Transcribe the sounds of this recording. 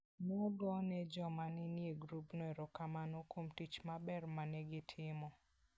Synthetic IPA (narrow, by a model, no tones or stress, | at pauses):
nɛɔdwɔnɛd͡ʒɔmanɛnjeɡɾupnɔɛɾɔkamanokomtit͡ʃmabɛrmanɛɡɪtʰɪmɔ